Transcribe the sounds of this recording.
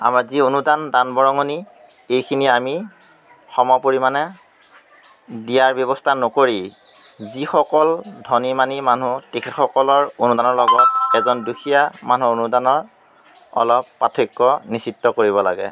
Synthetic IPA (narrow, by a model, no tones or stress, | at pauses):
a̰mazionudandanbɔɹɔŋoni | ejkʰiniami | xɔmɔpoɹimanɛ | dijaɹbjɔβɔstʰanɔkoɹi | zixɔkɔldʱɔnimaniman̤utekʰetxɔkɔlɔɹonudanɔɹlɔɡɔt̚ɛzɔnduxʰijaman̤uonudanɔɹ | ɔ̰lɔpːatʰikːɔnisitːɔkoɹiβɔla̰ɡɛ̰